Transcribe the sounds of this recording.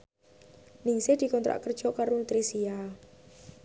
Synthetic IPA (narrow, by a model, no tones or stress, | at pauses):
nɪŋsed̪̥i̤kɔnt̪ɾa̰ʔkərd̥ʒ̥ɔ̤kaɾonut̪ɾisia